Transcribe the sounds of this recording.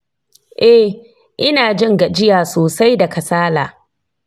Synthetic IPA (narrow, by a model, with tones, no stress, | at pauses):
ʔɛ˦ | ʔɪ˦naː˨d͡ʒɪ˦ŋɡa˨d͡ʒɪ˦jaː˨soː˨sa˦jda˨kɐ˨saː˦laː˨